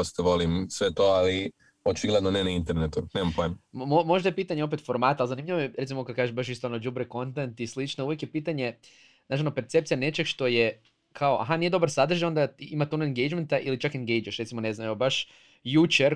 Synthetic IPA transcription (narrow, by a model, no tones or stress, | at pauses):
ost̪eʋolimsʋet̪oali | ot͡ʃiɡled̪nonenaint̪eɾnet̪unemampojemmmomo̞ʒd̪ajepiːt̪aɲeo̞pe̞t̪fo̞ɾmaːt̪alzanimʎʲiʋojeɾet̪simokad̪kaːʒeʃbaʃist̪oonod͡ʒubɾeko̞nt̪ent̪islit͡ʃnouʋjekjepiːt̪aɲe̞ | at͡ʃionope̞ɾt̪se̞p̚t̪sijane̞t͡ʃeɡʃt̪o̞je | kʰaoʔa̰ɦanije̞d̪o̞baɾsad̪r̩ʒao̞nd̪aimat̪onaeŋɡejd͡ʒment̪aʔilit͡ʃakeŋɡejd͡ʒueʃɾet̪simo̞ne̞znameobaʃ | jut͡ʃeɾ